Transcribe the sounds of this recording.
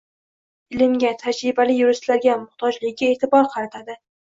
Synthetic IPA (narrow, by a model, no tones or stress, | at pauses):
ɪlɪmɡʲat̪ʰad͡ʒɾɪbalɪjʊɾɪslaɾɡʲamʊht̪ʰɒd͡ʒlɪɡʲɡʲaeːt̪ʰɪbɒɾqʰɑɾat̪ʰad̪ɪ